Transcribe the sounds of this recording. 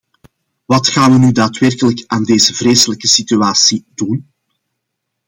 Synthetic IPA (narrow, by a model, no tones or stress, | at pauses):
ʋɑtxaːnʋənydaːtwɛrkələkaːndeːzəvreːsələkəsityaːsidun